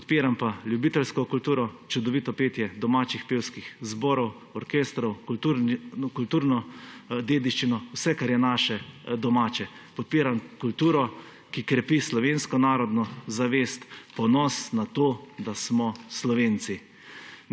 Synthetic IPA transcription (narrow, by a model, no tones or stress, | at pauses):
pɔt̪peːɾampaljubit̪ɛlskɔkult̪uːɾɔt͡ʃud̪ɔʋit̪ɔpeːt̪jɛd̪ɔmaːt͡ʃixpeːwskixzbɔːɾɔw | ɔɾkest̪ɾɔwkt̪uɾkult̪uːɾnɔd̪eːd̪iʃt͡ʃinɔwsɛkaɾjɛnaːʃɛd̪ɔmaːt͡ʃɛ | pɔt̪̚peːɾamkult̪uːɾɔ | kikɾɛpislɔʋeːnskɔnaːɾɔd̪nɔzaʋeːst̪pɔnɔsnat̪oːd̪asmɔslɔʋeːnsi